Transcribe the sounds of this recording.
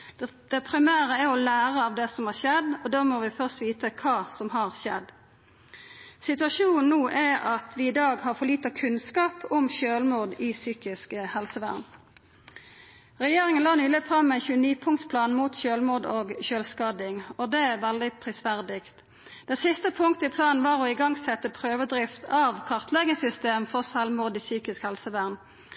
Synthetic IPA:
d̪̥ɛpʰʁɪmæːɾəæɔlæːʁəɑʋd̪ɛsɔmhɑʁʃɛd̪ːɔd̪oːmoːʋɪfœʁst̪ʋiːt̪əkʰɑːsɔmɦɑʁʃɛ̰d̪ː | sɪt̪ʉɑʃuːnn̩uːʔæɑt̪ʰʋɪɪd̪ɑːɡhɑʁfɔʁliːt̪ɑkʰʉnskɑːpʰʊmʃøːlmuːd̪ɪsyːkɪskəhɛlsəʋæ̰ʁn | ʁɛjeːʁɪŋənlɑːnyːlɪfʁɑmːɛɪnçʉːəniːpʰʊŋt̪spʰlɑːnmuːt̪ɕøːlmuːd̪oːɡçøːlskɑːd̪ɪŋɔd̪ɛæʁʋɛld̪ɪpʰʁɪsʋæʁd̪ɪkt̪ | d̪̥ɛsɪst̪əpʰʊŋkt̪əɪpʰlɑːnn̩ʋɑːʁɔɪɡɑŋsɛt̪ːəpʰʁøːʋəd̪ʁɪft̪ɑʋkʰɑʁt̪lɛɡəsʏst̪eːmfɔʁsɛlmuːd̪iːsyːkɪskhɛlsəʋæːʁn

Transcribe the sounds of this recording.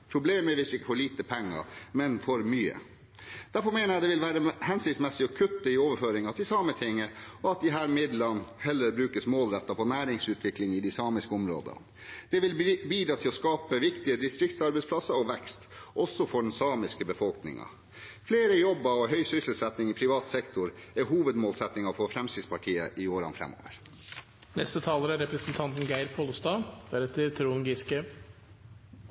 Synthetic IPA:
pʰɾʊbleːməʋɪsɪkːə̥fɔɭiːt̪əpʰɛŋːɑ̰ɾmɛnfɔɾmyːə̰ | d̪̥æɾfɔmeːnəɾjæd̪ɛʋɪlʋæːɾəhɛnsɪŋt̪smɛsːɪɔkʰʉt̪ːəɪoːʋəɾføːɾɪŋɑt̪ʰɪlsɑːmət̪ʰɪŋːəɔɑt̪̚d̪ɪɦæːɾmɪd̪lɑnhɛlːəɾbɾʉːkəsmoːlɾɛt̪ːɑpʰɔnæːɾɪŋsʉːt̪ʰʋɪklɪŋɪd̪ɪsɑːmɪskəɔmɾo̰ːd̪ə̰n | d̪̥ɛʋɪlbiːd̪ɾɑːt̪ʰɪlɔskɑːpəʋɪkt̪ɪəd̪ɪst̪ɾɪk̚t̪sɑɾbɛɪspʰlɑsːɑɾɔʋɛkst̪ʔɔsːɔfɔɖɛnsɑːmɪskəbəfɔlknɪ̰ŋɑ̰ | fleːɾəjɔbːɑɔɦœʏsʏsl̩sɛt̪nɪŋɪpʰɾɪʋɑːt̪sɛkt̪ʊɾɛɦuːʋəd̪moːlsɛt̪nɪŋɑfɔɾfɾɛmsɪspʰɑʈʰiːə̰ʔɪoːɾɑ̰nfɾɛ̰mo̰ːʋəɾ | nɛst̪ət̪ʰɑːləɾæɾɛpɾəsnt̪ʰɑnt̪n̩ɡæɪɾpʰolst̪ɑːb̥ɛɾɛt̪əɾt̪ʰɾuːŋɡɪskə

